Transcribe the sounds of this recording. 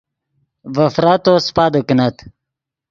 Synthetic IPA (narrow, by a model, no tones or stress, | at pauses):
vəfɾat̪ospad̪əknat̪